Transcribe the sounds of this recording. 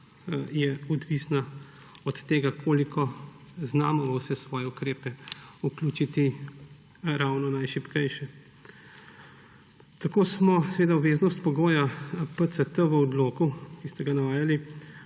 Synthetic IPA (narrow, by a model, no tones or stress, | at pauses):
jɛɔd̪ʋisna | ɔt̪ːeːɡakʰoːlikʰɔ | znaːmɔʋəwsɛsʋɔːjɛukɾeːpɛukljuːt͡ʃit̪i | ɾawnɔnajʃipkɛjʃɛ | t̪akoːsmɔsɛʋeːd̪aɔʋeːznɔst̪pɔɡoːjapət̪sət̪əʋəɔd̪loːkukist̪ɛɡanaʋaːjali